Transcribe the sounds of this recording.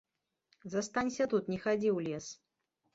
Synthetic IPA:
zɐst̪anʲsʲɐt̪ut̪nʲɛxad͡zʲiwlʲɛs

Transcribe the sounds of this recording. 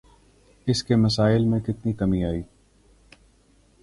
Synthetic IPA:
ɪskemɐsaːɪlmẽkɪt̪nikɐmiaːiː

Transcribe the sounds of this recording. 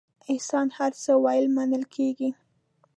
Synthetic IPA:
ɪhsɑnhaɾt͡səwɑjɪlmanəlkʰeɡi

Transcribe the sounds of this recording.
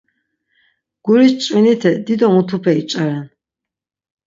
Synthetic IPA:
ɡ̥uɾist͡ʃʼwinit̪ʰɛd̪id̪ɔmut̪ʰupʰɛit͡ʃʼaɾɛn

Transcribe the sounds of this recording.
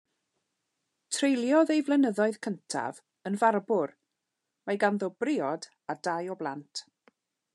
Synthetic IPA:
tʰrejlˠjɔðejvlˠɛnəðɔɨð̥kʰəntʰa̰v | ənvarbʊr | majɡanðɔbrɪːɔd | adajɔblˠantʰ

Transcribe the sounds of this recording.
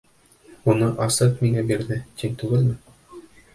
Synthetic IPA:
unɤʔɑsɤqmiŋæbiɾðɘt̪iŋt̪ʉɡɘlmɘ

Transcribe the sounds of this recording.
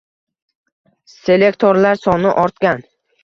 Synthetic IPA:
se̞lekt̪ʰoɾlaɾsɒnɪʔɒɾt̪kʲan

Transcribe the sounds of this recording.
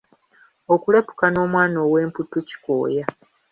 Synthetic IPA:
okule̞pu̥kano̞ːmwaːno̞ːwe̞ːmputuci̥ko̰ːja

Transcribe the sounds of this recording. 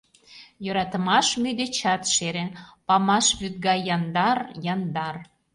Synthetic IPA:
jøɾɑt̪əmɑʃmyd̪et͡ɕɑt̪ʃeɾenpɑmɑʃβyt̪̚ɡɑjɑnd̪ɑrjɑnd̪ɑr

